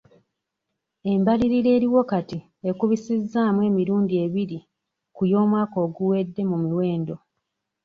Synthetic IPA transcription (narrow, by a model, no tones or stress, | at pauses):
e̞mbaliɾiɾe̞ːɾiwo̞kati | ekuβisizːaːmwe̞ːmiɾuːndie̞βiɾi | kujo̞ːmwaːko̞ːɡuwe̞dːe̞mumiwe̞ːndo̞